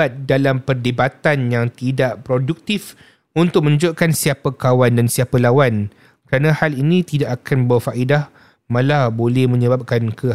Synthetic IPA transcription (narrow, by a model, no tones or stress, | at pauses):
at̪̚dalampərdebat̪anjaŋt̪idaʔpɾoduk̚t̪if | unt̪ʊk̚mə̃ɲd͡ʒoʔkansiapakawandansiapalawan | kəɾanãhalinĩt̪idaʔakanbərfaʔidah | mãlabolɛhmə̃ɲə̃bap̚kankʰə